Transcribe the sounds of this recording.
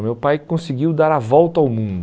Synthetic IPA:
mewpajkõsiɡiwd̪aɾɐvɔwt̪ɐawmũd̪

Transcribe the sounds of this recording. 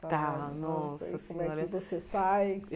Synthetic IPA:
t̪anɔskõmɛɪvosesaj

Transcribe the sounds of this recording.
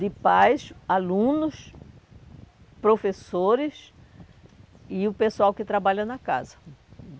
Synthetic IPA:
d̪ɪpajsalũnʊs | pɾofesoɾɪs | ɪʊpesuawkɪt̪ɾabaʎɐnɐka̰zɐ̥

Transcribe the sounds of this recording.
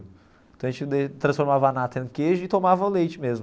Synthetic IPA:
ẽt̪ɐ̃ɐʒẽt͡ʃɪd̪et̪ɾɐ̃sfoɾmavɐanat̪ɐ̃keʒʊɪt̪omavɐʊlejt͡ʃɪmezmʊ

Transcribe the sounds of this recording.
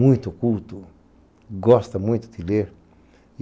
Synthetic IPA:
ũj̃t̪ʊkult̪ʊ | ɡɔst̪ɐmũj̃t̪ʊd̪ileɾ

